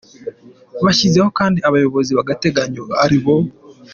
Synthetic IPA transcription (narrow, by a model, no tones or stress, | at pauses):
βaɕizeho̞kaːndiaβajo̞βo̞ziβaɡate̞ɡaɲoaɾiβo̞